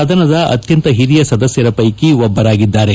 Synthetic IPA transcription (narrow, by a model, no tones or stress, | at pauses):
ad̪ʱɐnɐd̪ɐʔɐ̰t̪jɐnt̪ɐɦiɾijɐsɐd̪ɐsjɐɾɐpɐjkiʋɔbːɐɾaːɡid̪ːaːɾe